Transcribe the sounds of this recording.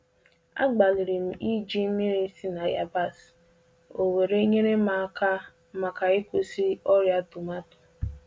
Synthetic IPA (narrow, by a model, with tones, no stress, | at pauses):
a̰˦ɡ͡ba˨li˨ɾi˨m̩˨ʔi˦d͡ʒi˦mi˦ɾi˦si˦na˨ja˨ba˦˨s | o˨we˨ɾe˦ɲe˦ne˦ma˨˦ka˦ | ma˨ka˨ɪ˦kʊ˨si˦ɔ˦ɾja˦tu˨ma˦tʊ̥˨